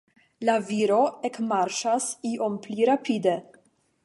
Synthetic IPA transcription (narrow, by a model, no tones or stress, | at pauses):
laviɾo̞ekmaɾʃasiʔo̞mpliɾapid̪e̞